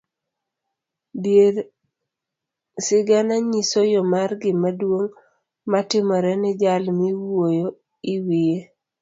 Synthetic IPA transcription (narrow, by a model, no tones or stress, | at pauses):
bjeɾ | sɪɡanaɲisojɔmarɡɪmadwoŋ | matɪmɔɾɛnɪd͡ʒalmiwojo | iwie